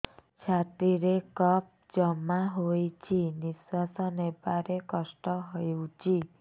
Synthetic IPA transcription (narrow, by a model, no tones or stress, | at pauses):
t͡ʃʰat̪iɾekʌp̚d͡ʒʌmːaɦojt͡ʃʰiniswasənepaɾekʌsʈɔɦɔjut͡ʃʰi